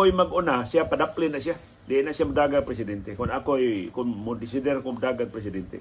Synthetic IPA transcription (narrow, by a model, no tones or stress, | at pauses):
ojmaɡonasiapadaplinaʔsia | deʔnaʔsiamudaɡapɾes̬idɛnt̪ekunakojkunmudis̬idɛrkumudaɡaŋ̚pɾes̬idɛnt̪ḛ